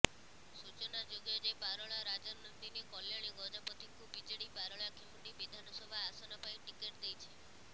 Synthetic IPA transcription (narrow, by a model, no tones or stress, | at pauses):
sut͡ʃɔnad͡ʒoɡjɔd͡ʒebaɾɔɭaɾad͡ʒɔɾnɔnd̪inekɔljaɭjɡɔd͡ʒapɔt̪ʰiŋkubid͡ʒeɭibaɾɔɭakʰemuʈibid̪ʱanɔsɔbʱaːsɔnɔpaiʈikeʈd̪ejt͡ʃʰe